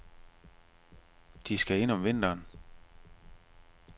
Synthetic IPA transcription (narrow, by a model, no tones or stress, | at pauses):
d̥isɡ̥æe̝n̰ɒ̽mʋe̝n̰d̥ɐːn